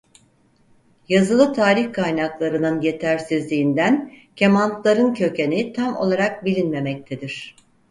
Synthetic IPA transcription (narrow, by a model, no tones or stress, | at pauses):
jazɯlˠɯt̪ʰaːɾiçkʰajnaklˠaɾɯnɯnje̞t̪ʰæɾsizlʲiːnd̪æn | cʰe̞mant̪lˠaɾɯncʰø̞cʰe̞nit̪ʰamo̞̰lˠaɾak̚bilʲinme̞mɛc̚t̪ʰed̪iɾ̝̥